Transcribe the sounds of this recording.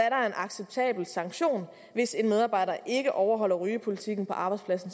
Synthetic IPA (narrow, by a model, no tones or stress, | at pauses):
æɐɾɑ̈ɐe̝nʔɑ̈ɡ̥seb̥̚t͡sʰɛ̰ːb̥l̩sɑ̈ŋɡ̥ɕo̝̰ːn | ʋe̝se̝nmeð̞ˠɑ̈ːb̥ɑ̈ɪ̰dɐʔe̝ɡ̥əʔɒʊɐɦɒ̽l̰ɐʁyːəpʰo̝lit͡sʰiɡ̥n̩pʰɒ̽ʔɑ̈ːb̥ɑ̈ɪspʰlæsn̩s